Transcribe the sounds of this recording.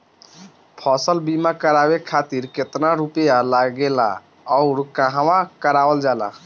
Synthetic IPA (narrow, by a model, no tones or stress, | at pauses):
pʰɔsəlbimãkəɾabekʰat̪iɾket̪naɾupjalaɡɡela̰ | ɔʊɾkãɦãmãkəɾabəld͡ʒala̰